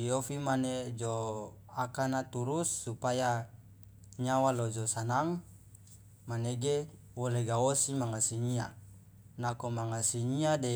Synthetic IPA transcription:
iofimaned͡ʒo | akanat̪uɾusːupaja | ɲawalod͡ʒosanaŋ | maneɡe | woleɡawosimaŋasiɲia | nakomaŋasiɲiade

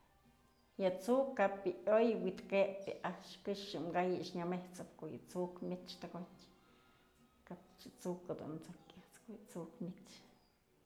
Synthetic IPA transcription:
jat͡sukːapjɨʔojwit̪kepɨ̰ʔaʃkɨʂjɨmɡajiʔʂɲameht͡sɨpkoʔjɨ̰t͡sukmʲit͡ʃt̪aɡotʲ | kap̚t͡ʃɨt͡sukad̪ṵnt͡sokat͡skojɨt͡sukmʲikt͡ʃ

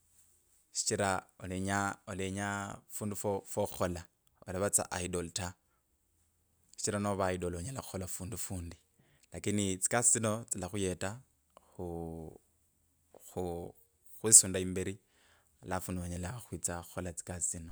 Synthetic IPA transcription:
ʃi̥t͡ʃiɾaoleɲaoleɲafuːndufofoxuxola | olaβat͡sa̰ʔaidolta | ʃi̥t͡ʃiɾanoβaidoloɲalaxu̥xolafuːndufuːndi | lakinit͡si̥kasit͡sino̞t͡silaxujeta | xu | xu | xwisuːndaiːmbeɾi | alafunduoɲalaxwit͡saxuxolat͡si̥kast͡sino̞

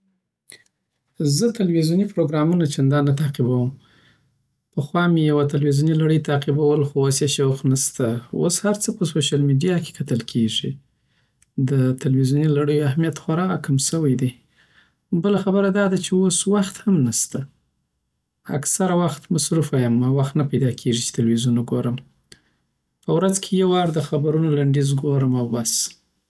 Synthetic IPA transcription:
zət̪alwizjunipɾoɡɾɑmunat͡ʃeand̪ɑnat̪aqibawəm | pəxwɑmejawat̪alwizunilaɽəjt̪ɑqibawəlxoasjaʃawqnast̪ao̰shaɾt͡səpəsoʃalmiɖijɑke̥kʰat̪əlkʰeʐḭ | d̪ət̪alwizjunilaɽəjoahmijat̪xaɾɑkamsəwəjd̪e | bəlaxabəɾad̪ɑd̪at͡ʃeoswaxt̪hamnast̪a | a̰ksaɾawaxt̪masɾufajamːawaxt̪napajd̪ɑkʰeʐit͡ʃe̥t̪alwizunoɡoɾəm | pəwɾad͡zkʰejawɑɾd̪əxabaɾunolaɳɖizɡoɾəmawbas

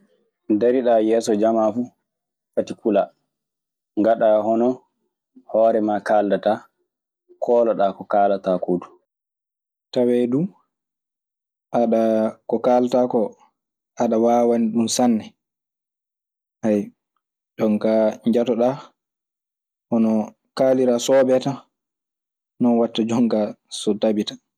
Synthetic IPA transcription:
deɾiɗajɛːsɔd͡ʒamafu | fatikula | ŋɡaɗahɔnɔ | hɔːɾɛmakaːldata | kʰɔːlaɗakɔkaːlatakodu̥ | tawɛdu | ʔaɗakɔkaːlatakɔ | ʔaɗawawaniɗumsanːɛ | ʔaj | d͡ʒɔŋkaɲd͡ʒatɔɗa | ʔɔnɔ | kaːliɾasɔːɓɛta | nɔnwatːad͡ʒɔŋɡasɔdabitḁ

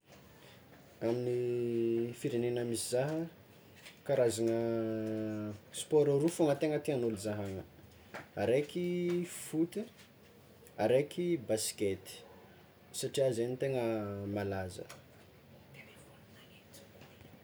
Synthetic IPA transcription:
amini | fiɾenenəmisizaɦə | kaɾazanə | spɔɾaɾufoŋət̪eŋət̪ianulizaɦaŋə | aɾekifut̪i | aɾekibasi̥ket̪i̥ | saʈ͡ʂiazenit̪eŋəmalazə̰

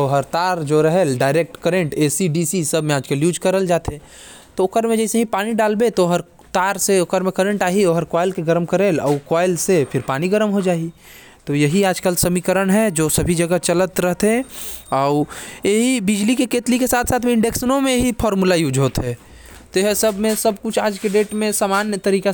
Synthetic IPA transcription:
ɔːɦəɾt̪aːɾd͡ʒoɾɐɦelɖaːɪɾeːk̚ʈkəɾẽɳʈeːsiɖisisɐbʱmẽaːd͡ʒkeljuːd͡ʒkɐɾəld͡ʒaːt̪ʰe | t̪oʊkəɾmẽd͡ʒɛːseɦĩpaːniɖaːlbet̪oɦəɾ | t̪aːɾseʊkəɾmẽkəɾẽɳʈaːɦioːɦɐɾkaːɪlkeɡəɾəmkəɾeːlɔːkwaːɪlsepʰɪɾpaːniɡəɾəmɦod͡ʒaːi | t̪ojɐɦiaːd͡ʒkəlsɐmiːkəɾənɦɛd͡ʒoːsɐbʱid͡ʒɐɡət͡ʃələt̪ɾəɦt̪ẽɔːeɦibɪd͡ʒlikekeːt̪likesaːt̪ʰsaːt̪ʰmẽɪ̃ɳɖeksnõmẽɦipʰɔːɾmulajuːd͡ʒɦoːt̪ɦɛ | t̪eɦsɐbʱmẽsɐb̚kʊt͡ʃʰaːd͡ʒkeɖeːʈmẽsaːmaːnjət̪ɐɾiːka

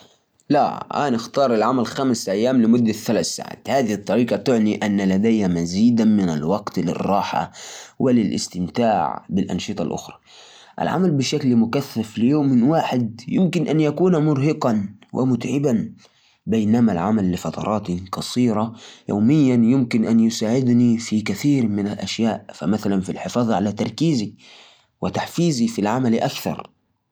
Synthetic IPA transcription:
la̰ʔa̰nɪxt̪ɑːɾˤalʕamalxamɪsʔajːaːmlɪmʊd̪ːaθalaθsa̰ʕa̰ːt̪haːðiht̪ˤːɑɾiːqɑt̪ʊʕniʔanːalad̪ajhamaziːd̪amɪna̰lwɑɡt̪lɪ̰rˤːɑːħa̰wɪlɪlʔɪ̰st̪ɪmt̪aːʕbɪlʔɑ̰nʃɨt̪ˤɑ̰lʔʊ̰xɾˤɑ̥ | ʔa̰lʕa̰malbɪʃaklmʊkaθːaflɪjoːmːɪnwaːħɪd̪̚jɪmkɪnʔanjakuːnmʊɾhɪqɑnwʔɪ̰mʊt̪ʕɪban | bajnamalʕa̰malːɪfɑt̪ˤɑ̰ɾˤʔɑːt̪ikɑsˤiːɾɑjo̰ːmɪjːanjʊmkɪnʔanjʊsaːʕɪd̪nifikaθiːɾmɪnalʔaʃjaːʔfa̰maθalanfilħɪfɑːðˤʕalat̪ɑ̰ɾˤkiːzi | wɪt̪aħfiːzifilʕamalʔakθɑ̰ɾˤ

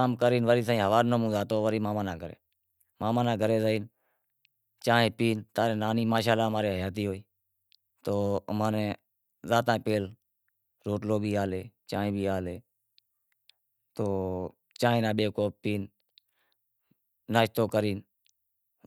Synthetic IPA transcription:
aːmkəɾiːnʋəɾiːs̬ãĩːɦəʋaːnnəmũːd̪aːt̪oːʋəɾiːmaːmaːnãːɡʱəɾḛː | maːmãːnãːɡʱəɾeːzəiːn | t͡ʃãːɦẽːpiːnt̪aːɾẽːnaːniːmaːʃaːlaːmaːɾeːɦəjaːt̪̬iːɦoːiː | t̪oːmaːnẽː | zaːt̪ãːpeːl | ɾoːʈloːbʱiːaːleːt͡ʃãːɦẽːbʱiːaːleː | t̪oː | t͡ʃãːẽːnãːɓeːkoːpiːn | aːʃt̪oːkəɾiːn

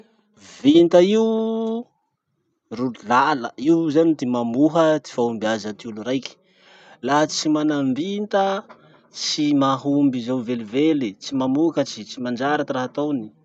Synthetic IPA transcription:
vint̪əiu | rullalə̰iwzanid̪emamuɦət̪i̥faumbiazət̪iuluɾajki̥ | laɦt͡simanambint̪ə | t͡simaɦumbizawvelivelit͡simamukət͡sit͡simand͡ʒaɾat̪iraɦat̪oni̥

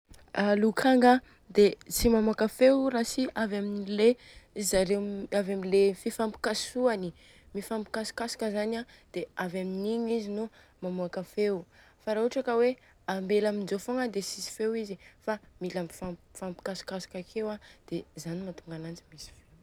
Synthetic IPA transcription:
alukʰaŋɡa | d̪et͡simamakafewrasiavaminile | zaɾemavaminlefifampi̥kasuani | mifampi̥kasu̥kasḁkəzanad̪̥eavaminiɲizinu | mamuakafewfaɾauʈ͡ʂakəwe | ambelamind͡ʒofoŋəd̪esisi̥fewizifamilamifafampi̥kasi̥kasu̥kakʰewad̪̥ezanimat̪uŋɡanand͡ʒimisi̥few

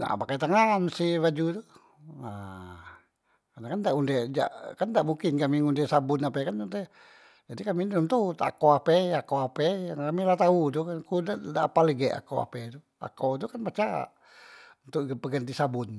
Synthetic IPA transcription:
na̰pakat̪aŋansibad͡ʒut̪u | a | kanakandaʔundɛd͡ʒa̰ʔkandaʔmuŋkɪnkamiŋundɛsabʊnapɛkanunt̪ɛ | d͡ʒadikaminunt̪ut̪a̰koapɛakoapɛjaŋkamilat̪aut̪̬ukankudadapaləɡɛʔa̰ko̰wa̰pɛt̪u | a̰kot̪̬ukanpat͡ʃa̰ʔ | unt̪ʊʔpəɡənt̪isabʊn

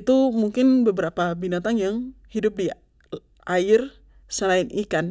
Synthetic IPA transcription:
t̪umuŋkɪnbəbəɾapabinat̪aŋjaŋhidʊp̚di | ʔaɪr | səlaɪnʔikan

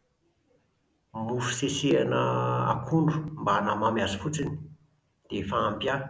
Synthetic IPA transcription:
mufu̥sesianəa̰kʰuɳɖ͡ʐu̥mbanəmamiazəfut͡sini̥ | d̪̥efaːmpja

